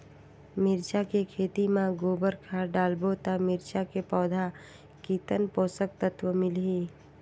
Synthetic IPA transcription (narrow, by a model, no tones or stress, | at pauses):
mɪɾt͡ʃakekʰeːt̪imãɡoːbəɾkʰaɖaːlbot̪amɪɾt͡ʃakepɔːd̪ʱa | kiːt̪ənpoːsək̚t̪ət̪wəmɪlɦiː